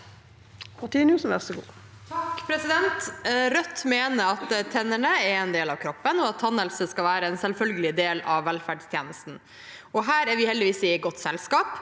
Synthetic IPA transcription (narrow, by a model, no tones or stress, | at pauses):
mɑt̪ʰiːnjuːsn̩ʋæʁsəɡṵː | t̪ʰɑkpʰɾɛsɪd̪ɛnt̪ɾœt̪ːmeːnəɾɑt̪t̪ʰɛnːəɳəɛɾɛnd̪eːlɑʋkʰɾɔpːənɔɑt̪ʰːɑnɛlsəskɑlʋæːɾəɛnsɛlfœlɡəlɪd̪eːlɑʋːɛlfæɖst̪ʰjeːnəst̪n̩ | ɔɦæːɾæɾʋɪhɛld̪ɪʋiːsɪɡɔt̪ːsɛlskɑːp